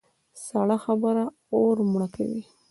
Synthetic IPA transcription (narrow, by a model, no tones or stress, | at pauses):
saɽaxabəɾa | oɾmɽaka̰wḭ